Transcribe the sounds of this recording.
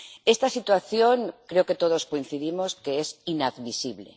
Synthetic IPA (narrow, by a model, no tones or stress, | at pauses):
est̪asit̪waθjoŋkɾeoket̪oðoskoin̟θiðimoskeesinaðmisiβlḛ